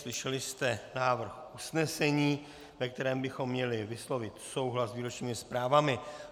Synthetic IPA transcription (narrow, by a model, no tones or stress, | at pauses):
slɪʃɛlɪst̪ɛnaːvr̩xʔusnɛsɛɲiː | vɛk̚t̪ɛɾɛːmbɪxo̞mːɲɛlɪvɪslo̞vɪt̪so̞wɦlasviːɾo̞t͡ʃɲiːmɪspɾaːvamɪ